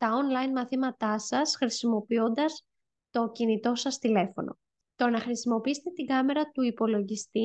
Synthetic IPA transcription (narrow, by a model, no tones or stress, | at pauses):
t̪ɐonlɐjnmɐθimɐt̪ɐsɐsxɾisimo̞pio̞nd̪ɐs | t̪o̞cinit̪o̞sɐst̪ile̞fo̞̰no̞̰ | t̪o̞nɐxɾisimo̞piist̪et̪iɡɐme̞ɾɐt̪uipo̞lo̞ʝist̪i